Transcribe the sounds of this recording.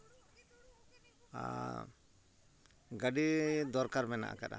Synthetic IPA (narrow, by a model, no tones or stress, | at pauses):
a̰ | ɡaɖid̪ɔɾkaɾmɛna̰ʔa̰kaɗa̰